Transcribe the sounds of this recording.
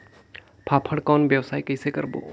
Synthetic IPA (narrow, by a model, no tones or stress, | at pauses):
pʰaːpʰəɽkɔːnbjəʋsaːikɛɪsekɐɾbo̰ː